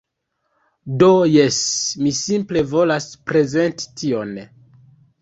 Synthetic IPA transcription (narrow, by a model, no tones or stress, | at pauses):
do̞jesmisimple̞vo̞laspɾe̞ze̞nti̥tʰio̞n